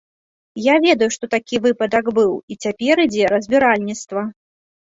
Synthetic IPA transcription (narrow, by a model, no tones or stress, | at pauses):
javʲɛd̪ɐjuʂt̪ɔt̪akʲivɨpɐd̪ɐkbɨwit͡sʲapʲɛɾɨd͡zʲɛɾɐzʲbʲiɾalʲnʲit̪st̪vɐ